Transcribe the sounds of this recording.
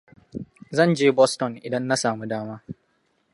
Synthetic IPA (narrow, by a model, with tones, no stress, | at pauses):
zɐ˦˨nd͡ʒeː˦bɔ˦stɔ˨nḭ˨dɐ˦nːɐ˦saː˨mu˦daː˦maː˦